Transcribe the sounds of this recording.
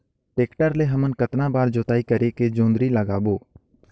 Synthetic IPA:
ʈeːkʈəɾleɦəmənkət̪nãbaːɾd͡ʒoːt̪aːikəɾeked͡ʒõːnd̪ɾiləɡaːboː

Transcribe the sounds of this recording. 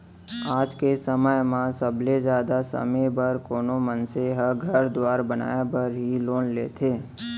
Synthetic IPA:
aːd͡ʒkesəməjmãsəbled͡ʒjaːd̪asə̰mebəɾkoːnomənseɦəɡʱəɾd̪waːɾbəna̰ːebəɾɦiloːnlḛːt̪ʰeː

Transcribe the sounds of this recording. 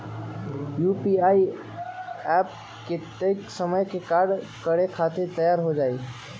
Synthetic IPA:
jupiai | ɛp̚ | ket̪ejksəməjkekaɾɖ | kəɾekʰat̪ʰet̪əjaɾɦod͡ʒai

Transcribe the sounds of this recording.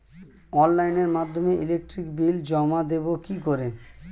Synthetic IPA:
ɔnlajneɾmad̪ʱːomeʔilek̚ʈɾikbild͡ʑɔmad̪ebokikoɾe

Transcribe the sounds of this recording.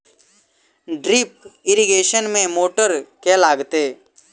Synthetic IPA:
ɖɾɪp̚ɪɾiɡeːʃənmẽmoːʈəɾkɛlaːɡt̪eː

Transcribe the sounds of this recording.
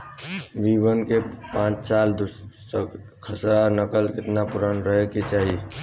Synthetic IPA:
ʋiːbənkepãːt͡ʃsaːld̪ʊsə | kʰəsɾanəkəlkɪt̪napʊɾanɾəɦekit͡ʃaːɦi

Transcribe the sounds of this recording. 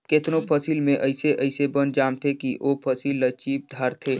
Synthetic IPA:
ket̪nopʰəsiːlmẽʔəɪseʔəɪsebənd͡ʒaːmt̪ʰekiʔʔoːpʰəsiːlːət͡ʃiːp̚d̪ʱaɾt̪ʰeː

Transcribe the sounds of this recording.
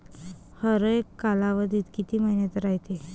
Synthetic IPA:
həɾəjekːalaʋəd̪ʱiːt̪kit̪iːməɦinjat̪ɾaɦjt̪i

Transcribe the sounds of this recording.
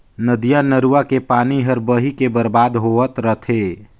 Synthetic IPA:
nəd̪ijanəɾuwakepaːniɦəɾbəɦikebəɾbaːd̪ɦoət̪ɾət̪ʰe

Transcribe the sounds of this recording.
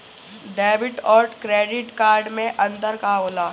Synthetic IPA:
ɖɛːʋɪʈɔːɾkɾeːɖɪʈkaːɾɖmẽʔɐ̃nd̪əɾkaoːlaː

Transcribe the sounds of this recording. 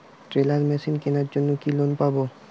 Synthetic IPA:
ʈɾelaɾmɛʃinkenaɾd͡ʑonːokilonpabo

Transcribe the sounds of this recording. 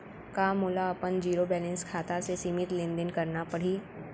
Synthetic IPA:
kaːmʊːlaɐpənd͡ʒiːɾobɛːlɛ̃nskʰaːt̪asesiːmɪt̪lɪ̃nd̪ɪnkɐɾnapɐɽ̤iː

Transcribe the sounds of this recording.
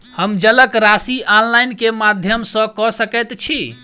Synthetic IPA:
həmd͡ʒələkɾasiɔnlajnkemad̪ʱjəmsə̃kɔsəkɛt̪t͡ʃʰi

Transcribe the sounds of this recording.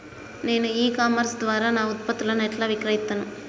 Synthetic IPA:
ne̞ːnuiːkaːmɐɾsd̪ʋaːɾaːnaːut̪̚pɐt̪ːulɐnɛʈlaːʋikɾɐɦit̪ːɐnu

